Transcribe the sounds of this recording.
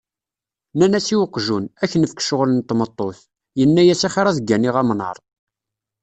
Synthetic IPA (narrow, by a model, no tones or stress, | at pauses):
nænæsiwəqːʒunæçənəfkʃəʁlənt̪ːmət̪ˤːoθ | jənːæjæsæχiɾˤæðɡːæniʁæmnə̰ɾˤ